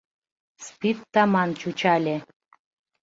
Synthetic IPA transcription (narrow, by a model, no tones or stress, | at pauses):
spʲit̪ːɑmɑnt͡ɕut͡ɕɑlʲe